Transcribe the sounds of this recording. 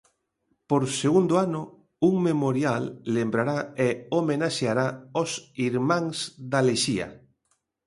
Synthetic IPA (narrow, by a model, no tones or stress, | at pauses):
poɾseɣund̪oanʊ | uŋmemoɾjalːembɾaɾaeomenaʃeaɾaosiɾmãŋsðaleʃia̰